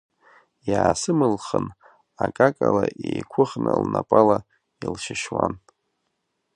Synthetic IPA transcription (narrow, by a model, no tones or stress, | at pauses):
jaːsɨmɨlχən | akʼakʼalaʔejkʷʰʊχnɨlnapʼala | ilʃɪʃwan